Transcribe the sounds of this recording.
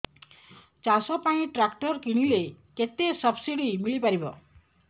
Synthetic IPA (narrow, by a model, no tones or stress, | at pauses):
t͡ʃasɔpãĩʈɾakʈɔɾkiɽ̃ileket̪esʌbsiɽimiɭipaɾibɔ̰